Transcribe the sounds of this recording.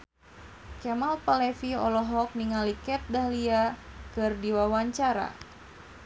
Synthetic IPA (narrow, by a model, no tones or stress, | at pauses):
kɛmalpalɛfiɔ̰lɔɦɔk̚niŋalikɛt̪̚dahliakɨrdiwawaɲt͡ʃaɾa̰